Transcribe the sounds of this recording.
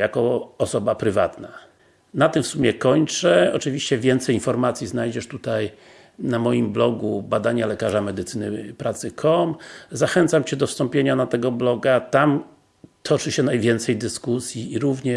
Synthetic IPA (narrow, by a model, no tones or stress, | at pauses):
jakɔɔsɔbapɾɘva̰t̪na | nat̪ɘmfsumʲjɛkɔɲt͡ʂɛɔ̰t͡ʂɘvʲiɕt͡ɕɛvʲjɛnt̪sɛjinfɔɾmat̪sʲjiznajd͡ʑɛʂt̪ut̪aj | namɔjimblɔɡubad̪aɲalɛkaʐamɛd̪ɘt̪sɘnɘpɾat̪sɘkʰɔmzaxɛnt̪samt͡ɕɛd̪ɔfst̪ɔmpʲjeɲanat̪ɛɡɔblɔɡat̪am | t̪ʰɔt͡ʂɘɕɛnajvʲjɛnt̪sɛjd̪ɘskusʲjiːɾuvɲɛ